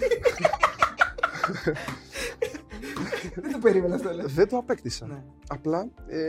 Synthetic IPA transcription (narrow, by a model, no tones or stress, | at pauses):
ed̪upeɾimenɐst̪oleðed̪uɐpekt̪isɐ | ɐplɐe